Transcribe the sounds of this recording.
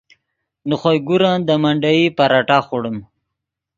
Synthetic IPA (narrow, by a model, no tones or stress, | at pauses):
nuχojɡuɾand̪əmaɳɖaipaɾaʈaχuɽəm